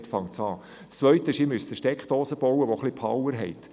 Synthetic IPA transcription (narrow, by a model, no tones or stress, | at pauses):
tfɑŋt͡sɑː | st͡sːʋœɥt̪əɪʃiːmysdəʃtɛkχd̥̪oːsəb̥ɔwəʋoχlipʰɑwəɾɦɛɪt